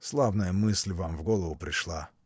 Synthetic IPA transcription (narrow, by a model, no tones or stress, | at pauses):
slˠavnəjəmɨsʲlʲvamvɡolˠəvʊpɾʲɪʂlˠa